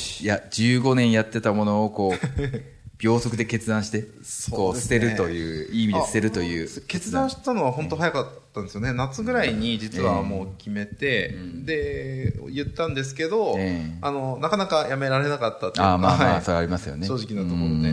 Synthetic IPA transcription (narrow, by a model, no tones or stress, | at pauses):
jad͡ʑɨːɡo̞nẽ̞ɰ̃jat̪ːe̞t̪amo̞no̞ːko̞ː | b̥ʲjo̞ːso̞kɯ̟d̪e̞ke̞t͡sɨd̪ãɰ̃ɕi̥t̪e̞ | koːsɨ̥t̪e̞ɾɯ̟o̞jɯ̟ːiːmʲid̪est̪e̞ɾɯ̟t̪o̞jɯ̟ːke̞t͡sɨd̪ãɰ̃ɕi̥t̪ano̞β̞aɦõ̞nt̪o̞ɦajakat̪ːãnd̪esɨjone̞nat͡sɨɡɯ̟ɾaiɲ̟id͡ʑit͡sɨβamo̞ːkʲime̞t̪e̞d̪e̞̰ | jɯ̟t̪ːãnd̪e̞sɨ̥ke̞d̪o̞eano̞nakanakajame̞ɾaɾe̞nakat̪ːat̪ːamaːaːsoɾeaɾʲimasɨjo̞̰neɕoːʑikʲinat̪oɾod̪e